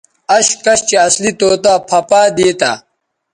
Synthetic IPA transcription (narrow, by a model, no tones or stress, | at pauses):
ɐɕkɐɕt͡ɕeɐslit̪oːt̪apʰɐpaːd̪eːt̪a̰ː